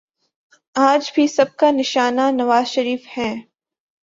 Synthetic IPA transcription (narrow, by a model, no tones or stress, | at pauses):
aːd͡ʒbʱisɐb̚kanɪʃaːnanɐʋaːzʃɐɾiːfhɛ̃ː